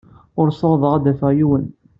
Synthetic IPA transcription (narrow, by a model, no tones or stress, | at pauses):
ʊɾsəˤðˤəʁad̪æfəʁjiwən